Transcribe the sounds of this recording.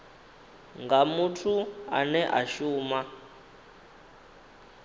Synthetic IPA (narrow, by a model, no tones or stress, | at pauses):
ŋɡamutʰua̰nɛʔaʃuːma